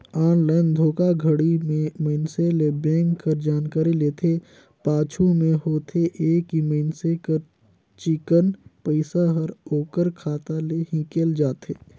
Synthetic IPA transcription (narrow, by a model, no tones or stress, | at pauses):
aːnlaːɪnd̪ʱoːkaɡʱəɽimẽməɪnselebɛ̃ːŋkːəɾd͡ʒaːnkaːɾileːt̪ʰe | paːt͡ʃʰumẽɦoːt̪ʰeʔeːkiməɪnsekəɾ | t͡ʃɪkənpəɪsaɦəɾoːkəɾkʰaːt̪aleɦĩkeːld͡ʒaːt̪eː